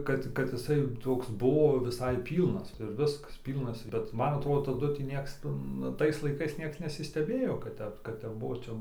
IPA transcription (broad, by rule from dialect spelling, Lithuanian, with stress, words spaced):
ˈkɐt ˈkɐt ɪˈsɐɪ ˈtoːks ˈbuɔ ʋʲɪˈsɐɪ ˈpʲiːlˠnɐs ɪr ˈʋʲɪskɐs ˈpʲiːlˠnɐs bʲɛt ˈmɐn ɐtˈroːdoː tɐˈdʊ tʲiː ˈnʲiɛks ˈtʊ nʊ ˈtɐɪs lˠɐɪˈkɐɪs ˈnʲiɛks nʲɛsʲɪsʲtʲɛˈbʲeːjoː kɐt ˈtʲɛp kɐt ˈtʲɛp ˈbuɔ